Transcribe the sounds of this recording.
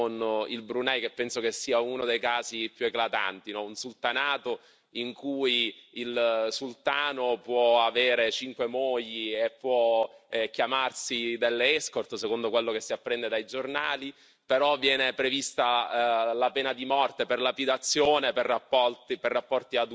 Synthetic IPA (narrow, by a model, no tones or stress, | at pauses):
onilbɾunɛjkepːɛnsokesːiːaunod̪ejkaːzipjueklat̪a̰nt̪inɔunsult̪anaːt̪o | iŋkujilsult̪aːnopwɔaveːɾet͡ʃiŋkwemoʎːiepːwɔɛkːjamarsid̪elːeɛskort̪sekond̪okwelːokesːiapːɾɛnd̪ed̪ajd͡ʒornaːli | peɾɔvːjɛːnepɾevist̪alapɛːnad̪imɔrt̪eperlapid̪at̪sːjoːneperːapːɔt̪perːapːɔrt̪iad̪